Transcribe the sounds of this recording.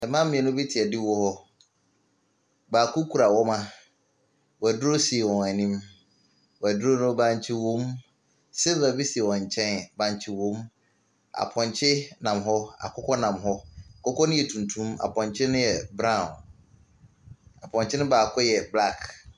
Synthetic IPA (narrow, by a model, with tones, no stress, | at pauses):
ɛ˨mã˦m̩ː˦ĩ˨ɛ̃˨nʊ̃˦bi˦tʰɪ˨ɛ˨dɪ˦wɔ˦hɔ˦ | baː˨kʰʊ˦kʰu˨ɾa˨wɔ˦mã˦ | wæ˨dʊ˦ɾo˦si˨e˨wɔ̃˨ɛ˨nĩ˦m | wæ˨dʊ˦ɾo˦nʊ̃˦bã˦ɲ˦t͡ɕʰɪ˦wõ˦m | sɛ˦va˨bi˦si˨ɛ˨wɔ̃˨ɲ̩˨t͡ɕʰɛ̃˦nbã˦ɲ˦t͡ɕʰɪ˦wõ˦m | a̰˨pʰɔ̃˨ɲt͡ɕʰɪ˦nã˨mɦɔ˦a̰˨kʰɔ˦kʰɔ˦nã˨mɦɔ˦a˨kʰɔ˦kʰɔ˦nʊ̃˦jɛ˨tʰũ˨ntʰũ˦ma̰˨pʰɔ̃˨ɲt͡ɕʰɪ˦nʊ̃˦jɛ˨bɾã̰˦˨n | a˨pʰɔ̃˨ɲt͡ɕʰɪ˦nʊ̃˦baː˨kʰɔ˦jɛ˨bla˦˨k